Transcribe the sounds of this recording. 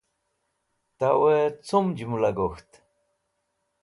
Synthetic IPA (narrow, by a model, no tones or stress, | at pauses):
t̪awet͡sumd͡ʒumulaɡoxt̪